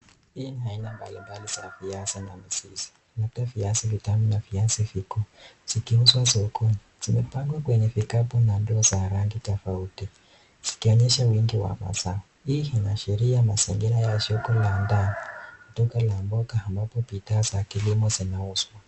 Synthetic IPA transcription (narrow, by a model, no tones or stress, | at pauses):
hiniainamba̰limbaliz̥afiasina̰miziz̥i̥ | natafiasivitaminafiasifikɔz̥ikiuswasɔkuniz̥imɛpaŋɡwakwɛɲɛfikapɔnandɔːzaɾaŋɡitɔfauti | z̥i̥kiɔɲɛʃawiŋɡiwa̰ma̰saɔ | ihinaʃɛɾiamasɛŋɡɛɾajaʃɔkɔlandanikutɔkalambɔkaːmbapɔpitazakilimɔzinauswa